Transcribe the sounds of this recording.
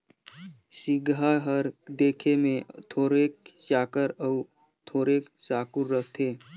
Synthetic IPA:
sɪɡaɦəɾd̪eːkʰemẽt̪ʰoːɾeːk̚t͡ʃaːkəɾə | t̪ʰoːɾeːksaːkʊɾːəɦt̪ʰeː

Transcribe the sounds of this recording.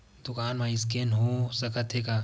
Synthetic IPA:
d̪̥ʊkaːnmãɪskenɦosɐkət̪ɦeːkaː

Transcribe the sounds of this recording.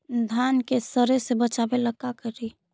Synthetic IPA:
d̪ʱankesəɾesebət͡ʃabeləɡakəɾi

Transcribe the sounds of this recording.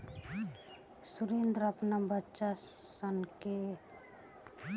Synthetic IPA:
suɾend̪ɾʌpnabətːʃa | ʌnke

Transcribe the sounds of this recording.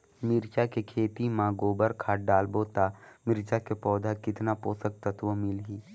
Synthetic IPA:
mɪɾt͡ʃakekʰeːt̪imãɡoːbəɾkʰaːʈ̚ɖaːlboːt̪amɪɾt͡ʃakepɔːd̪ʱakɪt̪napoːsək̚t̪ət̪ʋomɪlɦiː

